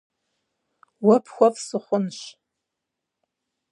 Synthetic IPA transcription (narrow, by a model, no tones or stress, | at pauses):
wapʰxʷapsɨχʷʊnʃ